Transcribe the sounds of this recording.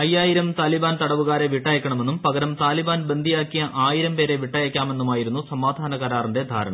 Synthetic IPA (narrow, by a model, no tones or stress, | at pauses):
ɐjːaːjiɾɐmt̪aːlibaːnt̪ɐɽɐʋuɣaːɾeʋiʈːɐjɐkʲːɐɳɐmenːumpɐɡɐɾɐmt̪aːlibaːnbe̞nd̪ʱijaːkːijɐʔaːjiɾɐmpe̞ːɾe̞ʋiʈːɐjɐkʲːaːme̞nːumaːjiɾunːusɐmaːd̪ʱaːnɐkɐɾaːrinde̞d̪ʱa̰ːɾɐ̰ɳɐ̰m